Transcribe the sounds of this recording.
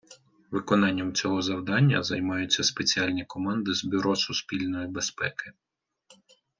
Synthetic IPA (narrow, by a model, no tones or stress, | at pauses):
ʋɪkɔnɑnʲːɐmt͡sʲɔɦɔzɐwd̪ɑnʲːɐ̰zɐjmɑjʊt͡sʲːɐspet͡sʲiɑlʲnʲikɔmɑnd̪ɪzbʲʊɾɔsʊspʲilʲnɔjibespɛkɪ